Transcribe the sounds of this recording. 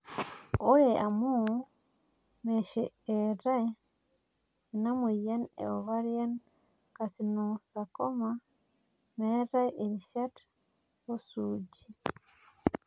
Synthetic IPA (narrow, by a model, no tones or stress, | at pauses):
oɾeʔamu | meʃeeɾa | namwijanḛoβaɾijan | kasinosakoma | meɾaʔeɾiʃat | osuɟi